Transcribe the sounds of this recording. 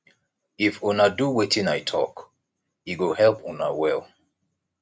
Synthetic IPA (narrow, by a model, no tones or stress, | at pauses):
ifunaduwetʰĩnajtʰɔ̰k | iɡohɛlpunawɛlˠ